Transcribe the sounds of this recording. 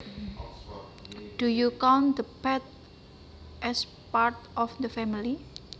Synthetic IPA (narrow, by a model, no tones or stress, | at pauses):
d̥ujukawnd̪əpɛt̪̚ | ʔɛs | paɾt̪ɔfd̪əfɛmili